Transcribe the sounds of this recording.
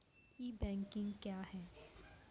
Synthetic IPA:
iːbɛ̃ːŋkɪ̃ŋɡkjaːhɛː

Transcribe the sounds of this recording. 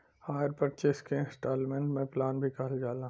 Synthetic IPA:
haːɾpɐt͡ʃeskeɪ̃sʈaːlmẽɳʈmẽplaːnbʱikɐɦld͡ʒaːlã

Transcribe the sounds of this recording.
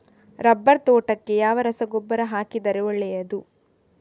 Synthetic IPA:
ɾɐbːɐɾt̪ɔːʈɐkːe̞jaːʋɐɾɐsɐɡobːɐɾɐɦaːkid̪ɐɾɛʋɐɭːɛjɐd̪u

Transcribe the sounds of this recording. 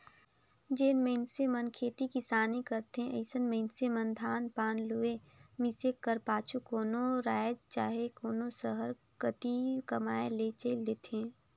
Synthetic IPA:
d͡ʒeːnmeɪnsemənkʰeːt̪ikɪsaːnikəɾt̪ɦẽʔə̰ɪsənmə̃ɪnsemə̃nd̪ʱaːnpaːnlue | mɪsekəɾpaːt͡ʃʰukoːnoɾaːjd͡ʒt͡ʃaːɦekoːnosəɦəɾ | kət̪ikɐmaːelet͡ʃəɪld̪eːt̪eeɛ̃ː

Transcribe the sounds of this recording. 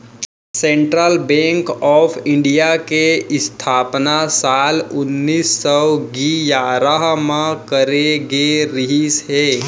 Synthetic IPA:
sẽɳʈɾəlbẽːŋkɔːpʰɪ̃ɳɖijakeɪst̪ʰaːpnasaːlʊnːiːsːɔɡijaːɾəɦmãkəɾeɡeɾɪɦisɦeː

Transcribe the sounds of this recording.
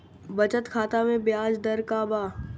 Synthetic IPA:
bɐt͡ʃət̪kʰaːt̪amẽbjaːd͡ʒd̪ɐɾkaːbaː

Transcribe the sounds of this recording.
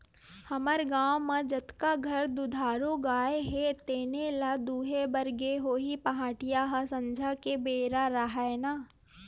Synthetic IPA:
hɐməɾɡaːwmãd͡ʒɐt̪kaɡʱɐɾd̪ʊd̪ʱaːɾoɡaːeɦet̪eːnelad̪uːɦebɐɾɡeɦoːɦipɐɦaːʈɪjaɦasɐ̃nd͡ʒʱakebeːɾaɾaɦaenaː

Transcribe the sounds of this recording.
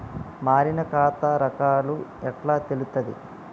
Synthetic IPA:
maːɾinɐkaːt̪ɐɾɐkaːluɛʈlaːt̪elut̪ɐd̪ḭ

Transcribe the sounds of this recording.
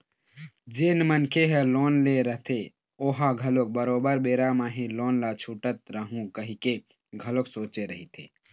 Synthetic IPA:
d͡ʒenmənkʰeɦeloːnleɾəɦt̪ʰe | oːɦaɡʱəlok̚bəɾoːbəɾbeːɾamaɦĩloːnlat͡ʃʰuʈət̪ɾəɦũkəɦike | ɡʱəloksoːt͡ʃeɾəɦit̪ʰḛ

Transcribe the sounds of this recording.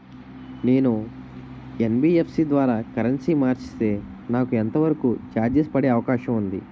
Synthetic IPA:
neːnu | enbiːepsiːd̪ʋaːɾaːkɐɾɐnsiːmaːɾt͡ʃi̥st̪e̞ː | naːkuent̪ɐʋɐɾɐkuːd͡ʒaːd̪jɐspɐɽe̞ːɐʋɐkaːʃɐmund̪i

